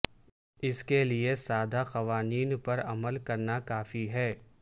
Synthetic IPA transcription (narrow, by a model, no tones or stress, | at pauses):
ɪskeliesaːd̪ʱaxɐʋaːniːnpɐɾɐməlkɐɾnakaːfiɦɛː